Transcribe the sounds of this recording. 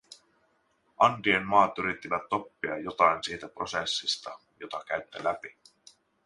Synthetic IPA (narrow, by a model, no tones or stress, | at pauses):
ʔɑnt̪iemmɑːt̪yɾit̪ːiʋæt̪ːo̞pːiɑ̰jːo̞t̪ɑjnsiːt̪æpro̞sesːist̪ɑ | jo̞t̪ɑk̟æɥt̪ːilæpi